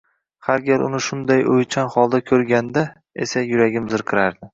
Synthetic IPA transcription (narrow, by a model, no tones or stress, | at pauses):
haɾɡʲaɾʊ̰nɪʃʊnd̪ajojt͡ʃʰanχɒlˠd̪akʲʰɵɾɡʲand̪a | ḛsajʊɾaɡʲɪmzɪɾqʰɨɾaɾd̪ɪ